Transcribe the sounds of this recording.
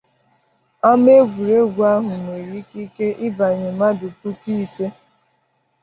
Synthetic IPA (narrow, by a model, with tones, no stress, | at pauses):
a˦me˦ɡʷu˨ɾe˦ɡʷu˨a˦ɦʊ˨m˨e˨ɾi˦ki˦ke˦ʔɪ˦ba˨ɲe˨ma˦du˨tu˦ki˦se˦